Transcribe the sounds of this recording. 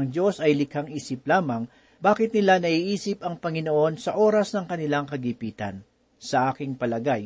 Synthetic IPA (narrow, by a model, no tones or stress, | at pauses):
ŋd͡ʒo̞sɐjlɪkɐŋʔiːsɪp̚laːmɐŋ | baːkɪt̪̚nɪlanɐʔiːʔiːsɪpʔɐŋpɐŋɪno̞ʔo̞nsɐʔo̞ːɾɐsnɐŋkɐnɪlaŋkɐɡipiːt̪ɐ̰n | sɐʔaːkɪŋpɐlɐɡaj